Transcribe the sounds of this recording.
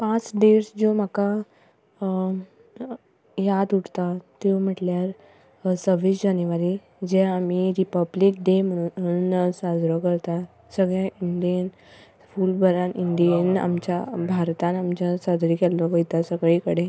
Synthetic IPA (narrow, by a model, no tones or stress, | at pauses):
pãt͡sɖeɾsd͡zom̤aka | jad̪uʈt̪at̪em̤əʈljaɾ | səʋisd͡ʑanjʋaɾi | d͡ʑeam̤iɾipəblik̚ɖem̤ə̃unsad͡zɾɔkəɾt̪a | səɡɭjãʔiɳɖijən | fuːlbʱəɾanʔiɳɖijəna̰mt͡ɕabʱaɾt̪anamt͡ɕjasad͡zɾikɛlːɔʋəjt̪asəɡɭikəɽe